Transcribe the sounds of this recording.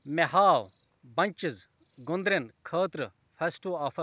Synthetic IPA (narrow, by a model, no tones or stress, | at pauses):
meɦaːw | bɐnʲt͡ʃɪz | ɡʊ̃nd̪ɾenkʰɐːt̪ɾ | fʰɐsʈoːaːfʰɐ